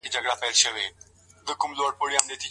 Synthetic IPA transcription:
id͡ʒɐɡɽapɛɦlʃəʋeː | d̪əkʊmloːɽpʊɽjaːmd̪et̪ʰi

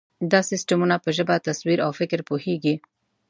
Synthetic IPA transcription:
d̪ɑsɪsʈamunapəʒəbat̪aswiɾawfɪkɾpoheɡi

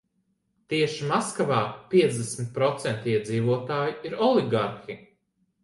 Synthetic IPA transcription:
t̪iɛʃimaskavaːpʲiɛzd̪esmʲit̪̚pɾɔt̪sɛnt̪iɛd̪ziːvuɔt̪aːjiiɾɔliɡaɾxi

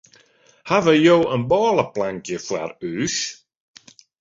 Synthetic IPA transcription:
havəjowʔə̃nbɔːlˠəpʰlãŋkjəfla̰ɹʉːʃ

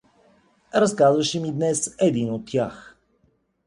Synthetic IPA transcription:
ɾɐskazvɐʃɛmid̪nɛsɛd̪inot̪ːjax

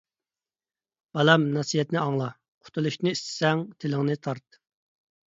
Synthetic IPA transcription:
b̥ɑlɛmnɑsijɛt̪nɪɑŋlˠɑ | qʰʊ̥t̪ʰulˠuʃnɨist̪ʰɪ̥sɛŋt̪ʰɪlɪŋnɨt̪ʰɑɾt̪̚

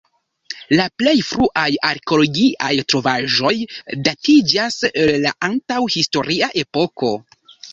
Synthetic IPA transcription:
laple̞jfɾuʔajaɾkeo̞lo̞ɡiʔajtɾo̞vaʒo̞jdatid͡ʒaselːa̰ʔantawhisto̞ɾʔiaʔe̞po̞ko̞

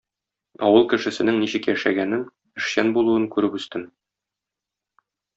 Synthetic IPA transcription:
ɒ̰wɤlˠkɘ̆ʃɘ̆sɘ̆nɘŋniɕɘkjæʃæ̰ɡænɘn | ɘ̆ʃɕænbulˠuɤŋkʉɾɘpɵ̆st̪ɘn

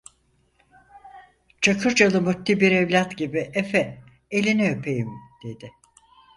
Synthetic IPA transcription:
t͡ʃʰakʰɯɾt͡ʃalˠɯmyt̪ːibiɾevlʲat̪ɟibiʔefɛ | elʲinɛøpʰejimd̪̥e̞d̪ɪ

